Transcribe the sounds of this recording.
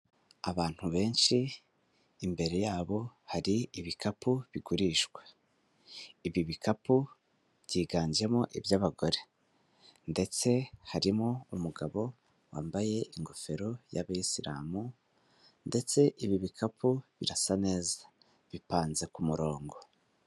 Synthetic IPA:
aβaːn̥huβe̞ːnʃiː | mbe̞ɾe̞jaːβo̞haɾiiβikʰapuβiɡuɾiːʃɡwe̥ | iβiβikapu | βɟiːɡaːɲd͡ʒe̞moʔibjaːβaɡo̞ɾe̞ | nde̞t͡se̞haɾimoumuɡaβo̞ | wa̰ːmbaje̞ʔiŋɡofe̞ɾoja̰βaisiɾa̰ːmu | nde̞t͡se̞ʔiβiβikʰapʰuβḭɾasane̞ːzḁ | βipaːnze̞kumuɾo̞ːŋɡo̞

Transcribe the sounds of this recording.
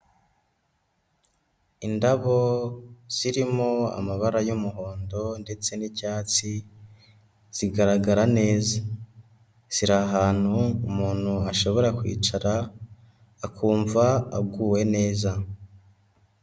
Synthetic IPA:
indaβo̞z̥iɾimo̞a̰maβaɾajumuɦo̞ːndo̞nde̞t͡se̞nicaːt͡si | z̥iɡaɾaɡaɾane̞ːza | z̥iɾaɦaːn̥huumuːn̥huaʃo̞βo̞ɾakwḭːt͡ʃaɾaː | kuːɱvaaɡuːwe̞ne̞ːza

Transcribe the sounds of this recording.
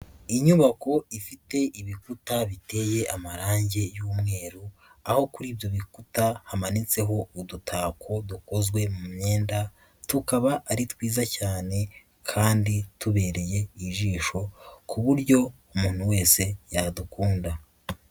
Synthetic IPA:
iɲuβako̞ifite̞ʔiβikutaβite̞je̞ʔamaɾaːɲɟe̞juːmŋe̞ːɾuaho̞kuɾiːbjo̞βikutahamanit͡se̞ɦo̞udutʰaːkʰo̞duko̞zɡwe̞mumɲe̞ːnda | tukaβaʔːɾitwiːzacaːne̞ | kʰaːndituβe̞ːɾe̞je̞iʒiːʃo̞kʰuβuɾɟo̞ | umuːn̥huwe̞ːse̞jadukuːnda

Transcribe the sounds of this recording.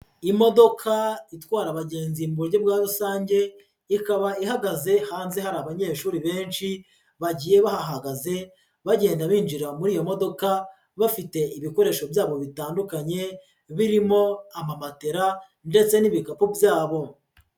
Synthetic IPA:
imo̞do̞kʰaitwaːɾaβaɟeːnzimbuɾɟebɡaːɾusaːɲɟe̞ | ikaβaiɦaɡaze̞haːnze̞haɾaːβaɲe̞ːʃuːɾiβe̞ːnʃi | βaɟije̞βahaɦaɡaze̞ | βaɟe̞ːndaβiːnd͡ʒiɾamuɾiːjo̞mo̞do̞ka | βafite̞iβiko̞ɾe̞ːʃo̞bjaːβo̞βitaːndukaɲe̞ | βiɾimo̞amamate̞ɾa | nde̞t͡se̞niβikapubjaːβo̞

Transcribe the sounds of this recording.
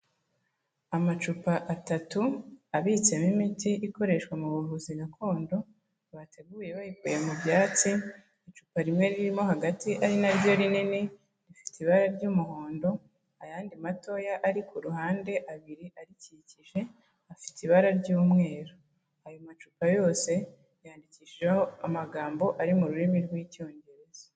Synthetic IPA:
amat͡ʃupaʔatatuaβit͡se̞mimitiʔiko̞ɾe̞ʃkwamuβuɾuhuzinakʰo̞ːndo̞ | βatʰe̞ɡuːje̞βaβikuje̞mubjaːt͡si | it͡ʃupaɾimŋe̞ɾiɾimo̞ɦaɡatiʔaɾinaɾjo̞ɾinini | ɾifi̥tiβaɾaɾɟumuho̞ːndo̞ | ajaːndimato̞jaʔːɾikuɾuhaːnde̞ʔaβiɾiʔaɾiciciʒe̞ | afi̥tiβaɾaɾɟuːmŋe̞ːɾo | ajomat͡ʃuːpajo̞ːse̞ | jaːndiciːʃeoamaɡaːmbo̞ʔaɾimuɾuɾimiɾɡwico̞ɲɟe̞ɾe̞za

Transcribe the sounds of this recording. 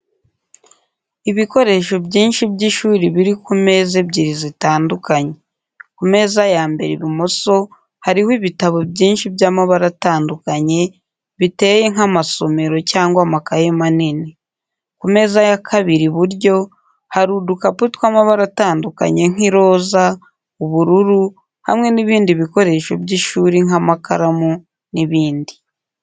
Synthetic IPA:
iβiko̞ɾe̞ʃo̞bɟiːnʃibɟiʃuːɾiβiɾikume̞ːzebɟiɾizitaːndukaɲe | kume̞ːzajaːmbe̞ɾeβimo̞so̞ | haɾihwiβitaβo̞bɟiːnʃibjaːmaβaɾataːndukaɲe̞ | βite̞je̞ŋamaso̞me̞ɾo̞caːŋɡwamakajemanine | kume̞ːzajakʰaβiɾiβuɾjo̞ | haɾudukaputkwaːmaβaɾataːnduka̰ɲe̞ŋ̥iɾo̞ːza | oβuɾuɾu | ha̰mŋe̞niβiːndiβiko̞ɾe̞ʃo̞bjiʃuːɾiŋamaka̰ɾamu | niβiːndi

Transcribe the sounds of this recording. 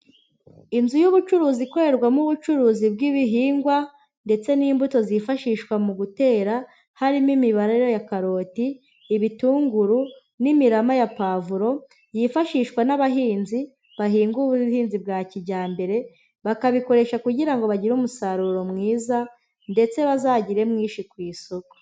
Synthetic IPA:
inzujuβut͡ʃuɾuːziko̞ɾe̞ɾɡwamuβut͡ʃuɾuːzibɡiβiɦiːŋɡwa | nde̞t͡se̞niːmbuto̞zifaʃiːʃkwamuɡute̞ːɾa | haɾimimiβaɾeɾjojakaɾo̞ːtiː | βituːŋɡuɾu | nimiɾamajapavuɾo̞ | jifaʃiːʃkwanaβaɦiːnzi | βaɦiːŋɡuβuhiːnzibɡaːciɟaːmbe̞ɾe̞ | βakaβiko̞ɾe̞ʃakuɟiɾaŋɡo̞βaɟiɾumusaɾuɾo̞mŋiːza | nde̞t͡se̞βazaːɟiɾe̞mŋiːʃikwiːsoko̥

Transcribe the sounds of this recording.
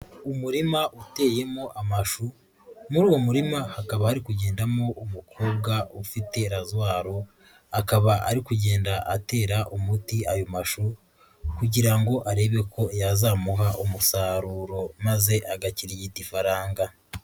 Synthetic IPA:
umuɾimaʔute̞ːje̞mo̞ʔamaʃu | muɾuːwo̞muɾimahakaβahaɾikuɟe̞ːndamo̞ʔumukʰo̞ːbɡaufite̞ɾazwaːɾo̞ | akaβaʔaɾikuɟe̞ːndaʔate̞ːɾaʔumutiajo̞maʃu | kuɟiɾaŋɡo̞ʔaɾe̞ːβe̞ko̞jazaːmuɦaʔumusaːɾuːɾo̞maze̞ʔaɡaciɾiɟitifaɾaːŋɡa

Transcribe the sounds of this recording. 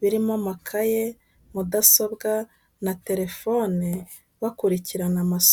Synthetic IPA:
βiɾimamakʰaje̞ | mudaso̞bɡa | nate̞ɾe̞fo̞ni | βakuɾiciɾanamas

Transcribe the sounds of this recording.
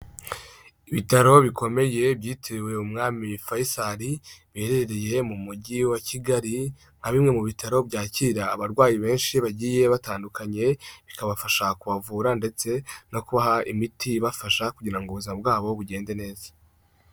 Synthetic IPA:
iβitaɾo̞βikʰo̞me̞je̞bɟiːtʰewe̞umŋaːmifajisaɾiβiheɾeɾeɾe̞je̞mumuɟiwaciɡaɾi | ŋ̥haβimŋe̞muβitʰaɾo̞bɟaːciɾaːβaɾɡwaːjiβe̞ːnʃiβaɟiːje̞βataːndukʰaɲe̞βikaβafaʃakuβavuːɾande̞t͡se̞no̞kuβaɦaʔimitʰiβafaʃakuɟiɾaŋɡuβuzabɡaːβo̞βuɟe̞ːnde̞ne̞ːzḁ

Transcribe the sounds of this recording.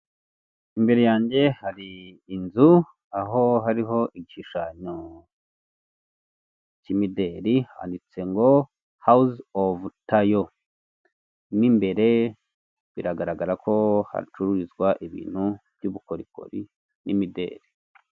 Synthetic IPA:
imbe̞ɾe̞jaːɲɟe̞haɾiːnzu | aɦo̞ɦaɾiɦo̞ʔiɟiʃiʃaɲo | cimideɾiha̰ːndit͡se̞ŋɡo̞ | hausovtajo | mimbe̞ɾe̞ | βiɾaɡaɾaɡaɾakʰo̞ha̰ɾit͡ʃuɾuɾizɡwaʔiβḭːn̥huvjuβuko̞ɾiko̞̰ɾi | nimide̞̰ːɾi

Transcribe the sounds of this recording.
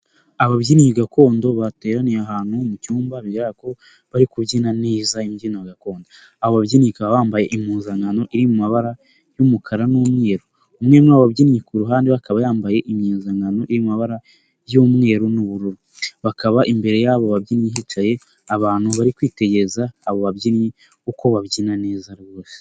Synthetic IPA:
aβaβɟinihiɡako̞ːndo̞βate̞ːɾanijeaɦaːn̥humucuːmbaβiɾaːko̞ | βaɾikuβɟinaneːzaimjinijaɡako̞ːndo | aβoβaβɟinihikaβaβaːmbaje̞ʔimuːnzaŋɡano̞ʔiɾimumaβaɾa | jumukʰaɾanuːmŋe̞ːɾoː | mŋeɾnaββabɟinjekuɾuɦaːndeβakaβajaːmbaje̞ʔimɲeːnzaŋɡano̞ʔiɾimumaβaɾa | jumŋe̞ːɾonuβuɾuɾu | βakʰaβaʔimbe̞ɾe̞jaβo̞βabɟinjeɦit͡ʃaje̞ | aβaːn̥huβaɾikwiːte̞ɟe̞ɾezaːβo̞βabɟinje | uko̞βaβɟiːnane̞ːzaɾβoːse̥

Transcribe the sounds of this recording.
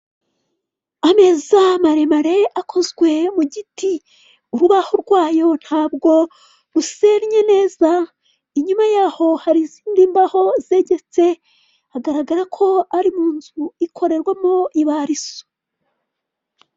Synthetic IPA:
ame̞zamaɾe̞maɾe̞akʰo̞zɡwe̞muɟiti | uɾuβahoɾɡwaːjo̞n̥haːbɡo̞ | ɾuseɾɲe̞ne̞ːza | iɲumajaːho̞haɾiziːndiːmbaho̞ze̞ɟe̞t͡se̞ | aɡaɾaɡaɾakʰo̞aɾimuːnzuikʰo̞ɾe̞ɾɡwamoʔiβaɾiso̥

